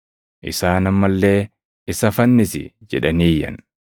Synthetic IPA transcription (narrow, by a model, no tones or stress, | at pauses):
ʔɪ̰saːnɐmːɐlːe̞ː | ɪsɐfɐnːɪsɪ̰d͡ʒɛᶑɐniːjːɐ̰n